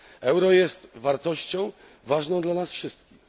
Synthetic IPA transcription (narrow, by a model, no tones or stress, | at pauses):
ɛwɾɔjɛst̪vaɾt̪ɔɕt͡ɕɔ̃w̃ | vaʐnɔ̃d̪lanasfʂɘst̪kʲix